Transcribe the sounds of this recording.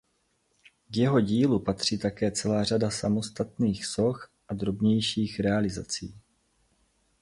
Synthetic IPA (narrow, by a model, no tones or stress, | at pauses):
ɡjɛɦo̞ɟiːlupat̪r̝̥iːt̪akɛːt͡sɛlaːradasamo̞st̪at̪niːxso̞xʔad̪ɾo̞bɲɛjʃiːxɾɛalɪzat͡siː